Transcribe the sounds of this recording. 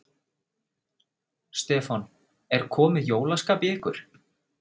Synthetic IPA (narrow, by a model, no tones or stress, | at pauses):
st̪ɛːfan | ɛɾ̥kʰɔːmɪjoːwlaskaːpɪɪhkʏɾ̥